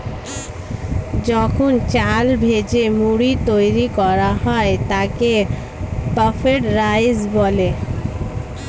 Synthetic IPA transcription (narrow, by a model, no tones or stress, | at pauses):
d͡ʑɔkʰont͡ɕalbʱed͡ʑemuɽit̪ojɾikɔɾaɦɔet̪ake | t̪ɔfʰeʈɾajd͡ʑbɔle